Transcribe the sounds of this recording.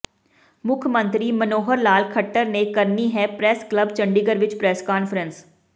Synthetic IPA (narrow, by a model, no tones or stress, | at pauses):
mʊkʰmə̃nt̪ɾiːmənoːɦəɾlaːlkʰəʈːəɾneːkəɾniːɦɛːpɾɛːskləbt͡ʃəɳɖɪɡəɾʋɪt͡ʃpɾɛːskaːnfʰəɾəns